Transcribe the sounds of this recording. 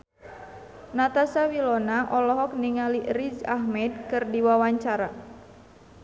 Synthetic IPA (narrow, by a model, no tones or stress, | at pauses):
nat̪asawilɔnaʔɔlɔɦɔk̚niŋalirid͡ʒaɦmɛd̪kɨrdiwawaɲt͡ʃaɾa